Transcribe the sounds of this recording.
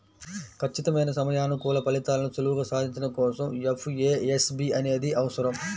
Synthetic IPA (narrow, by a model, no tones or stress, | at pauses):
kʰɐt͡ʃːit̪ɐmɐjnɐsɐmɐjaːnɐkuːlɐpɐlit̪aːlɐnut͡ʃɐluʋuɡɐsaːd̪ʱiɲt͡ʃinɐkɔːsɐmepʰeːesbiɐne̞ːd̪iʔɐʋɐsɐɾɐm